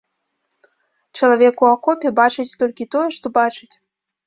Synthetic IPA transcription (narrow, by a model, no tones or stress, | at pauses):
t͡ɕɛlˠavʲɛkuakopʲebɑt͡ʃɨtʲt̪olʲkʲit̪ojɛʂt̪obɑt͡ʃɨtʲ